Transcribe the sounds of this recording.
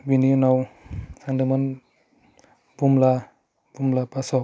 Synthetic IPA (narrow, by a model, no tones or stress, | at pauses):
bininawsaŋdɯmɯn | b̥umla | bumlapasɔ